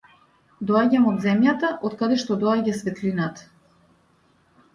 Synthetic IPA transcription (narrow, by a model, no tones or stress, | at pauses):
d̪ɔaɟamɔd̪zɛmjat̪aʔɔt̪kad̪ɛʃt̪ɔd̪ɔaɟasvɛt̪linat̪ḁ